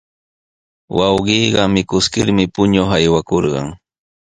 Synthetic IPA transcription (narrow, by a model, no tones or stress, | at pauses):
wɑwɢiːɢɑmɪkʊskɪɾmɪpʊɲoχajwakoɾɢɑ̰ŋ